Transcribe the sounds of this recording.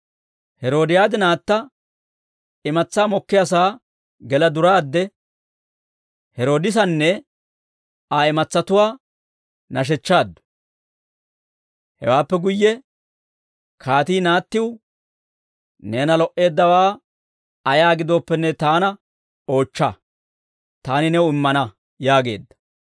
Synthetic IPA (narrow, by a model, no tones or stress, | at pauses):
hɛɾo̞ːd̪ɪjaːd̪ɪnaːt̪ːɐ | ɪmɐt͡sːaːmɔkːɪjɐs̬aː | ɡɛlɐd̪ʊɾaːd̪ːɛ | hɛɾo̞ːd̪ɪs̬ɐnːɛ | aɪmɐt͡sːɐt̪ʊwaː | nɐʃ̬ɛt͡ʃːaːd̪ːʊ̥ | hɛ̰waːpːɛɡʊjːɛ | kʰaːt̪iːnaːt̪ːɪw | neːnɐlɔʔe̞ːd̪ːɐwaː | ɐjaːɡɪd̪o̞ːpːɛnːɛt̪aːnɐ | o̞ːt͡ʃːɐ̰ | t̪aːnɪnɛwʊɪmːɐnɐ | jaːɡe̞̰ːd̪ːɐ̥